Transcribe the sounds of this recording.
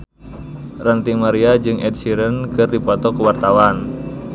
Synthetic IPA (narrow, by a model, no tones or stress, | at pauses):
rant̪iŋmaɾiad͡ʒɨŋʔɛd̪̚siɾənkɨrdipɔt̪ɔkuwart̪awan